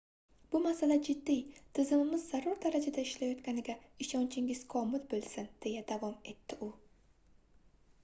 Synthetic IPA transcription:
b̥ʊmasalad͡ʒɪd̪ːijt̪ʰɪzɪmɪmɪzːaɾɒɾd̪aɾad͡ʒad̪aɪʃlajɒt̪kʲanɪɡʲaɪʃɒnt͡ʃʰɪŋɪz̥kʰɒmɪlbolˠsɪnd̪̥e̞jad̪avɒme̞t̪ʰːɪʔʊ

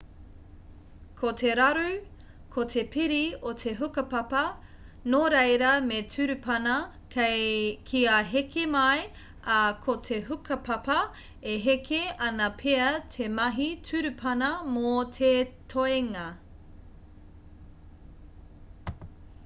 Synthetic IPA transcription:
kʰotʰeɾɐɾʉ | kʰotʰepʰiɾiotʰeɦukɐpɐpɐ | noɾejɾɐmetʰʉɾʉpʰɐnɐ | kʰekʰiaɦekʰemɐj | ɐkʰotʰeɦukʰɐpɐpɐ | eɦekʰeɐnɐpʰeɐtʰemɐɦitʰʉɾʉpʰɐnɐmotʰetʰoeŋɐ

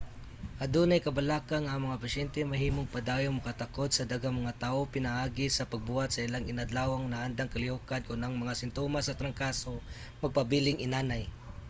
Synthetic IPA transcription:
ʔɐd̪unɐjkɐbɐlaːkanaʔːŋmɐŋapɐʃɛnt̪ɛmɐɦiːmoŋpɐd̪aːjoŋmɐkat̪ɐko̞d̪̚sɐd̪aɡamɐŋat̪aːʔopɪnahaːɡɪsɐpɐɡ̚bʊat̪̚sɐɪlaŋɪnɐd̪laːwaŋnaʔand̪aŋkɐlɪhokad̪̚konaŋmɐŋasɪnt̪omasɐt̪ɾɐŋkaːso | mɐɡ̚pɐbilɪŋʔɪnaːnaj

